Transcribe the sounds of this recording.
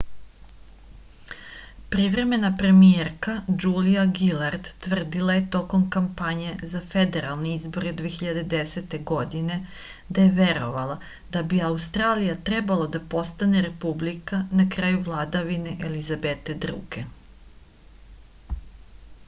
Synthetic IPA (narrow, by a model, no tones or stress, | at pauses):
pɾiʋɾe̞me̞napɾe̞mijeɾkad͡ʒuːlijaɡilaɾd̪ːʋr̩d̪ilaje̞t̪o̞ko̞mkampaɲe̞zafe̞d̪e̞ɾalˠneizbo̞ɾed̪veeçiʎad̪e̞d̪e̞set̪e̞ɡo̞d̪ine̞ | d̪aje̞ʋe̞ɾo̞̰ʋalˠa | d̪̥abiaust̪ɾaːlijat̪ɾe̞balˠad̪apo̞st̪aneɾe̞publikanakɾaːjuʋlˠaːd̪aʋine̞ʔelizabet̪ed̪ɾṵːɡe